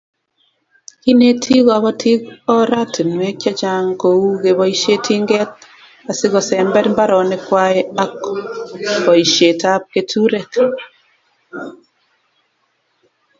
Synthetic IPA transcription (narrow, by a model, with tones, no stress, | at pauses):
ki˦ne˦tʰi˦ɣwa˨βɔ˦tʰi˦kɔ˦ɾa˦ti˨nwɛ˦kja˦t͡ʃa˦ŋko˨u˦ɡe˨bɔ˦i˦ʃe˦tʰi˦ŋɡɛ˦t̚ | a˨sɪ˦ɣɔ˨sɛ˨mbɛ˦tmba˦ɾɔ˨nɛ˦kwa˦e˦a˦k | bɔ˨i˨ʃe˨ta˦p̚ke˨tʰu˦ɾɛ˨k